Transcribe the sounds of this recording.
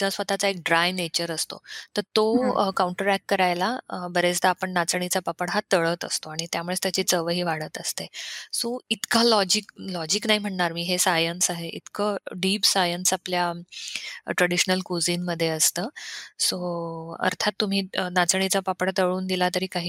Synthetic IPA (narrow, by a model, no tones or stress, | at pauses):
tasʋət̪at͡saek̚ɖɾajnet͡ɕəɾəst̪o̰t̪əɾt̪okawuɳʈəɾækːəɾajlabəɾet͡sd̪aːpəɳnat͡səɳ̃it͡sapapəɽɦat̪əɭət̪ə̰st̪oaɽ̃it̪jamuɭet̪jat͡ɕiːt͡səʋəɦiːʋaɽət̪əst̪esoit̪kalɔd͡ʑiklɔd͡ʑiːknaɦim̤əɳɳaɾmiːɦesajənsaɦeʔḭt̪kəɖiːpsajənsaplja | ʈɾəɽiɕnəlkud͡zinməd̪ʱːjeəst̪əːsoə̰ɾt̪ʰat̪ːum̤iːnat͡səɳ̃it͡sapapəɽt̪əɭuːnd̪ilat̪əɾiːkaɦiː